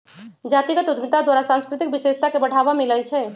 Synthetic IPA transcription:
d͡ʒaːt̪iɡət̪ud̪mit̪ad̪waːɾasãnskɾɪt̪ik̚biʃeʃt̪akebəɽ̤ʱaːbamiləjt͡ʃʰɛ

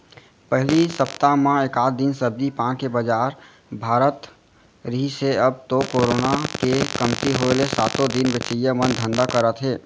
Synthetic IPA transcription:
pəɦlisəpt̪amãekaːt̪̚d̪insəb̚d̪ipãkebəd͡ʒaːɾ | bʱaːɾət̪ | ɾiːseəb̚t̪okoːɾoːnakekəmt̪iɦolesaːt̪od̪inʋɪt͡ʃəjəmənd̪ʱə̃nd̪akəɾət̪ɦeː

